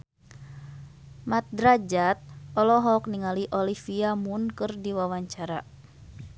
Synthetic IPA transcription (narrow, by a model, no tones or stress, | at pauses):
mat̪̚dɾad͡ʒat̪̚ɔlɔɦɔkniŋaliʔɔlifiamunkɨrdiwawaɲt͡ʃaɾa